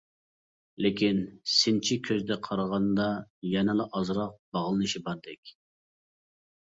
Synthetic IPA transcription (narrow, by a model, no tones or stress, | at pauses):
lɪkʲinsɪnt͡ʃʰikʲʰøzd̪ɛqʰɑɾʁɑnd̪ɑjɛnɪlˠɨʔɑzɾɑq̚bɑʁlˠɨnɨʃibɑɾd̪ɛkʲ